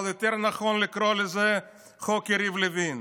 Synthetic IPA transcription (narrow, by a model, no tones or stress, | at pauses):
lˠjot̪ɛɾnaχɔnlɪkɾolɪzɛ | χokeɾivlɪvin